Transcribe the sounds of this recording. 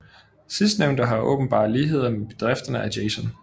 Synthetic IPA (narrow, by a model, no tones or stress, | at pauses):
sisd̥neʊnd̥əɦɑ̈ʔɔ̰̽ːb̥n̩b̥ɑ̈ːðˠliːɦe̝ð̞̰ˠɐmeb̥e̝d̥ʁɛfd̥ɐnəæd̥eɪsɔn